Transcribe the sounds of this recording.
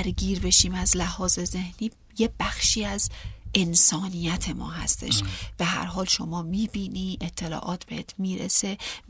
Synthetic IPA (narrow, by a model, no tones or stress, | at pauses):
æɾɡiːɾbe̞ʃiːmæzlæhɒːze̞ze̞hniː | jeb̥æxʃiːæze̞nsɒːnijæt̪ʰe̞mɒ̰ːɦæ̰st̪ʰe̞̰ʃb̥eɦæ̰ɾɦɒːlʃo̞mɒːmiːbiːniːʔe̞t̪ʰːe̞lɒ̰ːʔɒːt̪ʰb̥e̞heːt̪ʰmiːɾḛse̞